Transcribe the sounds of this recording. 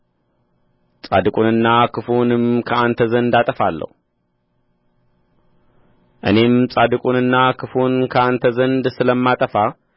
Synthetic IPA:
t͡sʼa̰d̪ɨkʼunɨnːakʰɨfunɨmkʰɐant̪ʰəzənd̪at̪ʼəfalːə̰hu | ʔɨne̞mt͡sʼad̪ɨkʼunɨnːakʰɨfunkʰɐant̪ʰəzənd̪sɨləmːat̪ʼəfa

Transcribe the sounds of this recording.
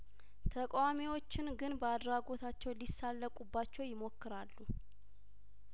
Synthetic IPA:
t̪ʰəkʼwamiwo̞t͡ʃːɪnɡɨnbəad̪ɾaɡo̞t̪ʰat͡ʃːɛwlisːalːəkʼubːat͡ʃːɛwjɪmo̞kːɨɾalːu

